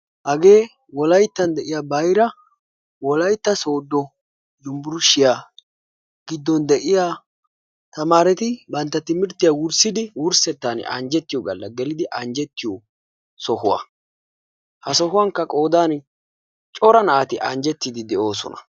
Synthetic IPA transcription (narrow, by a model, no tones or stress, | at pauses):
hɐɡe̞ː | wɔlɐjt̪ːɐnd̪ɛʔɪjaːbɐjɾɐ | wɔlɐjt̪ːɐso̞ːd̪ːɔ | jʊmbʊɾʊʃːɪjaː | ɡ̥ɪd̪ːɔnd̪ɛʔɪja | t̪ɐmaːɾɛt̪ɪbɐnt̪ːɐt̪ɪmɪɾt̪ːɪjawʊɾsɪd̪ɪwʊɾsɛt̪ːan̰ɐ̰nd͡ʒɛt̪ːɪjɔɡɐlːɐɡɛlɪd̪ɪʔɐnd͡ʒɛt̪ːɪjɔ | sɔhʊwa̰ | hɐsɔhʊwaŋkːɐkʼo̞ːd̪aːn | t͡ʃʼɔɾɐnɐat̪ɪʔɐnd͡ʒɛt̪ːɪd̪ɪd̪ɛʔo̞ːsɔ̰nɐ̥̰